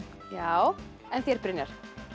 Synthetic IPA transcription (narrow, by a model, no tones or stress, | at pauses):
jaːw | ɛnθjɛɾ̥pɾɪnjaɾ̥